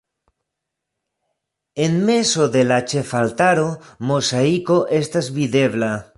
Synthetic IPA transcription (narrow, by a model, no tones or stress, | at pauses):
enmesoðelat͡ʃefalt̪aɾomosaikoʔest̪aezβiðeβla